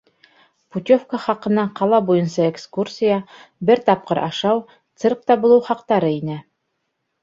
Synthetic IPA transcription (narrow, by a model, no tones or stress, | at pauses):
put̪ʲofkəχɑqɤ̆nɑqɑlˠɑbujɤnsɑekskursʲijabɘɾt̪ɑp̚qɤɾʔɑ̰ʃɑw | t̪sɤrk̚t̪ɑbulˠɤwχɑqt̪ɑɾɤinɘ